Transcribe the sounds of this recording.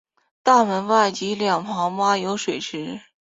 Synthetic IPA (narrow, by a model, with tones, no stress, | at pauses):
t̪a˥˩mə˧˥nwa˥˩ɪt͡ɕi˧˥ljɑ˨˩ŋpʰɑ˧˥ŋma˥jo˧˥ʊʂwe˨˩ɪʈ͡ʂʰɻ̩˧˥